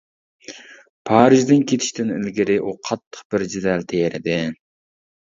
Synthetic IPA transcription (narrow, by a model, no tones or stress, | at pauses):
pʰɑːɾɪʒd̪ɪnkʲʰet̪ʰɪ̥ʃt̪ʰɪnɪ̰lɡʲɪɾɪʔuqʰɑt̪ʰːə̥qb̥ɪɾd͡ʒɪd̪ɛlt̪ʰejɾɪd̪ɪ